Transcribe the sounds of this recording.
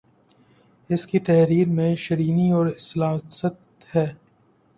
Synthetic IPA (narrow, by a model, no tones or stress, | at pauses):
ɪskit̪ɛɦɾiːɾmẽʃɐɾiːniɔːɾɪslaːsət̪ | hɛː